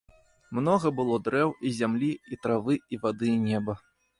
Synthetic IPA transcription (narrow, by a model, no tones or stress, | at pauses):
mnɔɣɐbɨlˠɔd̪ɾɛwizʲamlʲiit̪ɾavɨivad̪ɨnʲɛbɐ